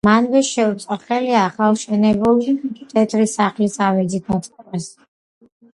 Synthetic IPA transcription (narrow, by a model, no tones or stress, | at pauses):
manvɛʃɛut̪sʼaχɛliaχalˠʃɛnɛbulˠkit̪ʰʼɛt̪ʰɾisaχlisavɛd̪zit̪̚ʰnat̪ʼɛmɛs